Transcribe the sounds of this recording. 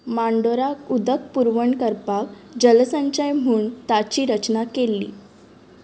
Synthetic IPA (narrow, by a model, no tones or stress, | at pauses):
maɳɖoɾakud̪ək̚puɾʋəɳkəɾpaʋ | d͡ʑəlsãɲt͡ɕajm̤uːɳt̪at͡ɕiːɾət͡ɕnakelːḭː